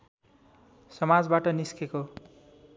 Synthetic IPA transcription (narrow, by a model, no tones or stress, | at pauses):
sʌmad͡zbaʈʌniskeko